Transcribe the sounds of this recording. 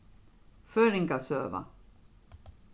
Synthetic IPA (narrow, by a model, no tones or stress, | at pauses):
fœɾɪŋkasøːva̰